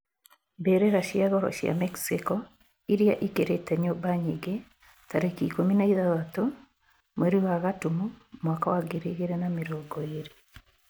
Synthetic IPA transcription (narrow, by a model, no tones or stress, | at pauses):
bɛɾɛɾaʃiaɣɔɾɔ̰ʃja̰mɛksikɔ | iɾiaʔikeɾetɛɲɔbaɲeɡe | taɾekikominaiðaðato | mwɛɾiwaɣatumumwakawaɡeɾeɣeɾɛnameɾɔɡɔeɾe